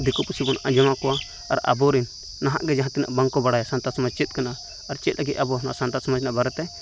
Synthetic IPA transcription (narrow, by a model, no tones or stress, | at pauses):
d̪ikɔpusibɔnʔãd͡ʒamakɔwa̰ː | ɾa̰bɔɾinː | aɦa̰ʔɡɛd͡ʒaɦãt̪ina̰ʔbaŋkɔbaɽajasant̪asmad͡ʒt͡ʃit̪̚kanaː | ɾt͡ʃɛt̪̚laɡit̪̚ˀabɔna̰ʔsant̪ad̪smad͡ʒnaʔbaɾɛt̪ɛ